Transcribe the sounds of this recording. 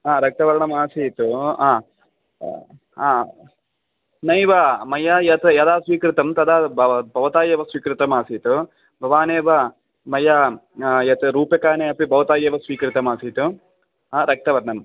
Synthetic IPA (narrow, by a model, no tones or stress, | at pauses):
aːɾɐk̚t̪ɐʋɐɾɐɳɐmaːsit̪uaː | aː | nɐjʋɐmɐjajɐt̪ɐjɐd̪aːsʋiːkɾit̪ɐmt̪ɐd̪abɐbʱɐʋɐt̪aːjeːʋɐsʋiːkɾit̪ɐmaːsiːt̪u | bʱɐʋaːneːʋɐ | mɐjajɐt̪ɐɾuːpjɐkaːneːɐpibʱɐʋɐt̪aːjeːʋɐsʋiːkɾit̪ɐmaːsiːt̪u | aːɾɐk̚t̪ɐʋɐɾɐɳɐm